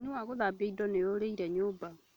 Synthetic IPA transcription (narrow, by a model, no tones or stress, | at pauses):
niwaɣoðabeidɔnejoɾeiɾɛɲoːba